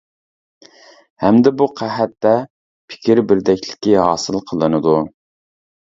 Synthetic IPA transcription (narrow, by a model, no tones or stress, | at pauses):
hɛmd̪ɪbuqʰæɦɛt̪ːɛ | pʰɪ̥kʲiɾbɪɾd̪ɛkʲlɪ̥kʲːiɦɑːsɨlˠqʰəlˠɨnɨd̪u